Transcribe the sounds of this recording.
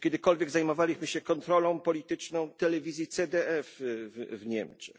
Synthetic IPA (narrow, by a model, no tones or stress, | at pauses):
kʲɛd̪ɘkɔlvʲjɛɡzajmɔvalʲiɕmɘɕɛkɔnt̪ɾɔlɔ̃w̃pɔlʲit̪ɘt͡ʂnɔ̃w̃t̪ɛlɛvʲizʲjit̪sɛd̪ɛʔɛfvɲɛmt͡ʂɛ̥x